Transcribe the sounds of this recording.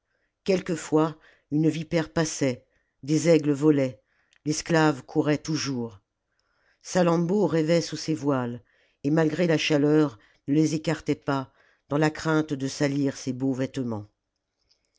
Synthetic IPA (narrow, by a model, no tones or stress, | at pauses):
kʲɛlkəfwa | ynvipɛʁpasɛ | d̪ezɛɡləvɔlɛ | lɛsklavkʰuʁɛt̪uʒuːʁ | salɑ̃boʁɛvɛsusevwal | emalɡʁelaʃalœʁ | nəlezekaʁt̪ɛpa | d̪ɑ̃lakχɛ̃t̪d̪əsaliʁsebovɛt̪mɑ̃